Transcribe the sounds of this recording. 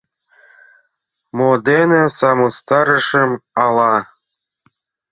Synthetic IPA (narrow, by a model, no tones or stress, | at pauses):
mod̪enesɑmost̪ɑɾɤ̆ʃɤ̆mɑlɑ